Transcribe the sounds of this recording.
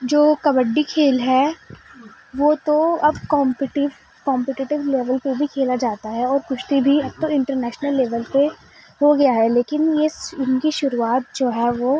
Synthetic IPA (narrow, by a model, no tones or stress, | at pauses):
d͡ʒoːkɐbəɖːikʰeːlɦɛ | ʋoːt̪oɐbkɔ̃ːmpɪʈɪʋ | kãːmpɪʈɪʈɪʋleːʋəlpebʱikʰeːlad͡ʒaːt̪aɦɛɔːɾkʊʃt̪ibʱiɐb̚t̪oɪ̃ɳʈəɾnɛːʃnəlːeːʋəlpe | ɦoɡɐjaɦɛleːkɪnjeɪnkiʃʊɾuaːt̪̚d͡ʒoːɦɛʋoː